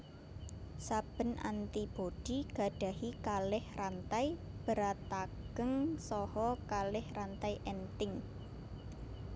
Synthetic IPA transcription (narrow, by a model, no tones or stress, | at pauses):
sab̥ə̤nʔa̰nt̪ib̥oɖ̥i̤ɡ̥a̤ɖ̥a̤hikalɪhrant̪ajb̥əɾat̪aɡ̥əŋsɔhɔkalɪhrant̪ajʔɛnt̪ɪŋ